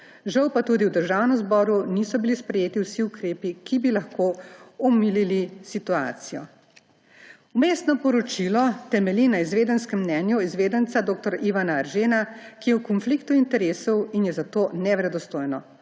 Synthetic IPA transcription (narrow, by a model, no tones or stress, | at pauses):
ʒawpat̪uːd̪iwd̪əɾʒaːwnɛmzbɔːɾunisɔbilispɾɛjeːt̪iwsiukɾeːpikibilaxkoːɔmililisit̪ua̰ːt̪sijɔ̰ | umeːst̪nɔpɔɾɔt͡ʃilɔt̪ɛmɛlinaizʋeːd̪ənskɛmːnɛnjuizʋeːd̪ənt̪sad̪oːk̚t̪ɔɾiʋanaːɾʒeːnakijɛwkɔnflikt̪uint̪ɛɾeːsɔwinjɛzat̪oːnɛʋɾɛd̪ɔst̪oːjnɔ